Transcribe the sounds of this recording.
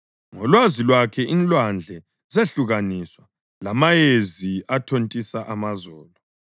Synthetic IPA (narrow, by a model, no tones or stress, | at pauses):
ŋɔlwazilwakʰɛʔinlwand͡ɮʱɛ | zeɬuɣaniswa | lamajeziatʰontʼisaʔamazɔːlɔ